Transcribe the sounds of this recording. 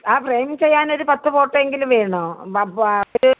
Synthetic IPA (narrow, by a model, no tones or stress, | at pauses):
aːpreːmiŋt͡ɕe̞jːaːno̞ɾupɐt̪ːɐpo̞ːʈːɐeŋɡilumʋeːɳɐoː | oɾu